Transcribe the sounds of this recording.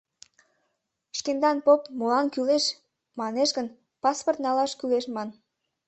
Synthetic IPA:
ʃkend̪ɑnpopmolɑnkyleʃ | mɑneʃɡən | pɑsport̪nɑlɑʃkyleʃmɑn

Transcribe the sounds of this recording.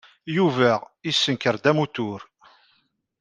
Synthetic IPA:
juvæisːənkəɾd̪æmut̪ʊɾ

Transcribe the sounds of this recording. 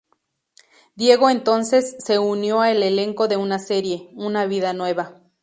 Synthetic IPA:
d̪jeɣoent̪onsesːeunjoaeleleŋkoðeunaseɾje̞unaβiðanweβa

